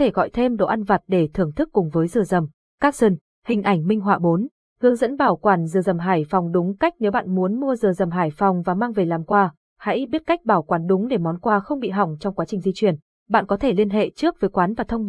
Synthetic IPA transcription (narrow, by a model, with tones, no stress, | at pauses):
t̪ʰe˧˩ɣɔ̰˧˨jt̪ʰe˧mɗo̰˧˨ʔa˧nva˨˩t̚ɗe˧˩t̪ʰɨ˧˩əŋt̪ʰɨ˦˥kːʊ˨˩ŋ͡mvəː˨˦jzɨ˧˩əzə˨˩m | kaː˦˥k̚sə˧n | hï˨˩ŋ̟ʔa˧˩jŋ̟mï˧ŋ̟ɦwaː˧˩ɓo˨˦n | hɨ˨˦əŋzə̰˧˥nɓaː˧˩wkwaː˧˩nzɨ˨˩zə˨˩mɦaː˧˩jfɔ˨˩wŋ͡mɗʊ˨˦ŋ͡mka˦˥jk̚ne˨˦wɓa̰ː˧˨nmu˨˦ənmu˧əzɨ˨˩zə˨˩mɦaː˧˩jfɔ˨˩wŋ͡mvaː˨˩maː˧ŋve˨˩laː˨˩mkwaː˧ | ha̰˧˥jɓi˦˥ət̚ka˦˥jk̟̚ɓaː˧˩wkwaː˨˦nɗʊ˨˦ŋ͡mɗe˧˩mɔ˨˦nkwaː˧xə˧wŋ͡mɓḭ˧˨ɦɔ̰˧˩wŋ͡mt͡ɕɔ˧wŋ͡mkwaː˨˦t͡ɕï˨˩ŋ̟zi˧t͡ɕwi˧˩ən | ɓa̰ː˧˨nkɔ˨˦t̪ʰe˧˩li˧ənɦḛ˧˨t͡ɕɨ˦˥ək̚vəː˨˦jkwaː˨˦nvaː˨˩t̪ʰə˧wŋ͡m